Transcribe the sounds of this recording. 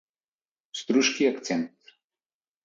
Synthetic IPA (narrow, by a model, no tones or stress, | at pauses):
st̪ɾuʃkiakt̪sɛnt̪